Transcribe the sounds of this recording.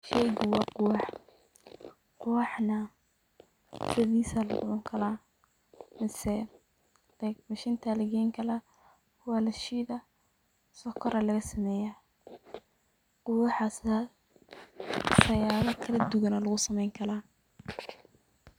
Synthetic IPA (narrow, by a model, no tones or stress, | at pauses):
ʃɛjɣʊwɑːqʊwɑħ | qʊwɑħnɐ | sɪðiːsɐlɐdʊʕʊŋkʰɐlaː | mɪsɛ̥ | ɛɡmɐʃɪnt̪ʰɐlɐɡɛjŋkʰɐlaː | wɑːlɐʃiːðɐ | sɔkʰɔɾɐlɐɣɐsɐmɛːjaː | qʊwɑħasa | sɐjaːlɐkʰɐlɐd̪ʊɣɐnɐlɐɣʊsɐmɛjŋkʰɐlaː